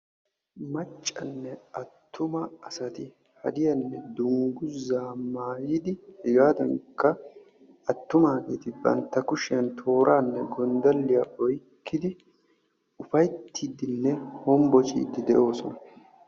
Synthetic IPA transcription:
mɐt͡ʃʼːɐnːɛɐt̪ʰːʊmɐɐsɐt̪ɪ | hɐd̪ɪjɐnːɛd̪ʊŋɡʊzaːmaːjɪd̪ɪhɪɡaːd̪ɐŋkːɐ | ɐt̪ːʊmaːɡiːt̪ɪbɐ̰nt̪ːɐkʊʃɪjɐnt̪ʰo̞ːɾʔaːnːɛɡɔnd̪ɐlːɪjaʔɔjkːɪd̪ɪ | ʊfɐjt̪ʰːiːd̪ɪnːɛhɔmbɔt͡ʃʼḭːd̪ɪd̪ɛʔo̞ːsɔnɐ

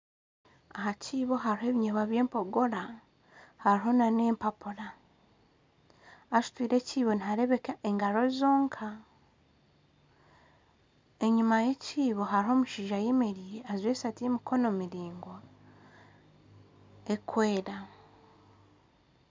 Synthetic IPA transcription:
ahacʰiːβo̞ɦaɾiɦeβiɲeβaβje̞ːmpo̞ɡo̞ɾa | haɾiɦo̞naneːmpapuɾa | t͡ʃi̥twiːɾe̞cʰiːβo̞niɦaɾe̞βekaʔeŋɡaɾo̞izo̞ːŋkʰa | e̞ɲimaje̞cʰiːβo̞ɦaɾɦo̞muʃiːʒajemeɾiazweːsatiemikʰo̞no̞miɾiːŋɡo | ekweːɾa

